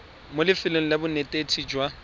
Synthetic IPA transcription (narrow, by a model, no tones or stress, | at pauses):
molɪfɪleŋ̩lɪbʊnetʼetʰid͡ʒwa